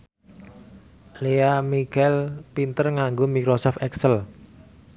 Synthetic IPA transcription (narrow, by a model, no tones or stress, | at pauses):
leamikɛlpint̪ərŋaŋɡomikɾosɔfɛksəl